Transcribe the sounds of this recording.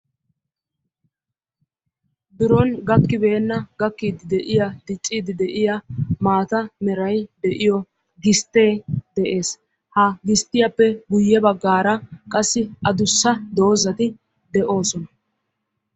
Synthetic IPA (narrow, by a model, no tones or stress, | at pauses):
d̪ʊɾɔnɡɐkːɪbe̞ːnːɐɡɐkːiːd̪ɪd̪ɛʔɪjɐd̪ɪt͡ʃʼːiːd̪ɪd̪ɛʔɪjɐmaːt̪ɐmɛɾɐjd̪ɛʔɪjɔ | ɡɪst̪ːe̞ːd̪ɛʔe̞ːs | hɐɡɪst̪ːɪjɐpːɛɡʊjːɛbɐɡːaːɾɐkʼɐsːɪʔɐd̪ʊsːɐd̪o̞ːzɐt̪ɪ | d̪ɛʔo̞ːsɔnɐ